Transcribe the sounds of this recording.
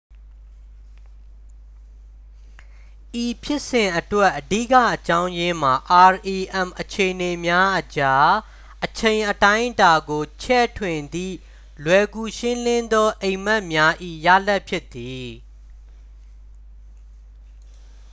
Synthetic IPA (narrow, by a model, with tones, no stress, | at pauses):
ʔi˨pʰjɪ˦ʔsɪ̃˨ʔətwɛ˦ʔːədḭ˦˨kä̰˦˨ʔət͡ɕã˦ʊ̃jɪ̃˦m̥a˨ʔa˨ɹʔi˨ʔɛ̃˨mʔət͡ɕʰe˨ʔəne˨mja˦ʔət͡ɕa˦ | ʔət͡ɕʰẽ˨ɪ̃ʔətã˦ɪʔta˨ɡo˨t͡ɕʰɛ˦˨tʰwɪ̃˨nd̪ḭ˦˨ | lwɛ˨ɡu˨ʃɪ̃˦lɪ̃˦nd̪ɔ˦ʔẽ˨ɪ̃m̥ɛ˦ʔmja˦ʔḭ˦˨ja̰˦˨lɛ˦ʔpʰjɪ˦ʔt̪ːi˨